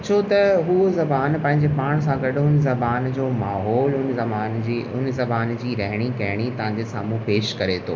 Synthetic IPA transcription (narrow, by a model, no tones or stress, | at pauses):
t͡ɕʰot̪ɐɦuozɐbaːnpɐ̃ɦɪ̃ɲd͡ʑepaːɽ̃sãɡɐɗɦʊnzɐbaːnd͡ʑoːmaːɦɔːlʊnzɐmaːnd͡ʑiʊnzɐbaːnd͡ʑiːɾɐɦɪɽ̃ikɐɦɪɽ̃it̪ɐʋ̤ãɲd͡ʑesa̰ːmũpeːʃkɐɾet̪ʰo̰ː